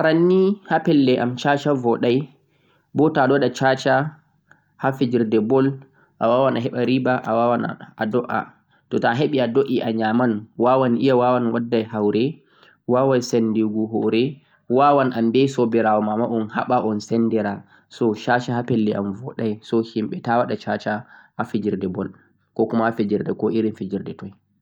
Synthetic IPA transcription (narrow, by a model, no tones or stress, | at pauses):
aɾanːihapɛlːɛʔamt͡ʃat͡ʃavɔɗaj | bɔtaɗɔɗat͡ʃat͡ʃa | hafid͡ʒiɾdɛbɔl | ʔawawanaɦɛɓaɾibaʔawawan̰adɔʔa̰ | tɔtaɦeɓiadoʔiʔaɲamanwawaniʔijawawanwadːajhawɾɛ | wawajsɛndiɡuɦɔɾɛ | wawanʔambɛsɔbɛɾawɔmamaʔɔnha̰ɓaʔɔnsɛnːdɛɾa | sɔʃat͡ʃahapelːiʔamvɔɗajsɔhimɓɛtawaɗat͡ʃat͡ʃahafid͡ʒiɾdɛbɔl | kɔkumahafid͡ʒiɾdɛkɔiɾinfid͡ʒiɾdɛtɔj